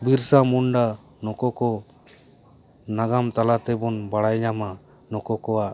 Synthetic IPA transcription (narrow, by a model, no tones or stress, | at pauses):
biɾsamuɳɖa | nɔkɔkɔ | naɡamt̪alat̪ɛbɔnbaɽajɲama | nɔkɔkɔwa